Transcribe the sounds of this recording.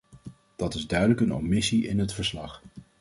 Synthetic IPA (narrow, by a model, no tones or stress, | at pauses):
d̥ɑtɪzdœɥdələkənɔ̰mɪsiʔɪ̰nɦətfəɹslɑχ